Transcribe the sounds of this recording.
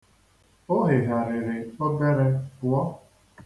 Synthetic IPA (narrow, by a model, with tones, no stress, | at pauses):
o˦ɦɪ˨ɣa˨ɾɪ˨ɾɪ˨ɔ˦ɡe˦ɾe˦kʊ˨ɔ˦